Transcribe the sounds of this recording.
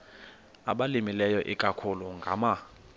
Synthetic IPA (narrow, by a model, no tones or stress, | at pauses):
a̰ɓalimilɛjɔʔikʼakʰuluŋɡʱa̰ma